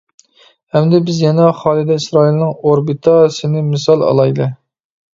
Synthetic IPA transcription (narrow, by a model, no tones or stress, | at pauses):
hɛmd̪ɛbɪzjɛnɛχɑːlˠɨd̪ɛisɾɑːilˠnɨŋoɾbit̪ʰɑsɪnɪmɨsɑlˠɑ̰lˠɑjd̪ɨ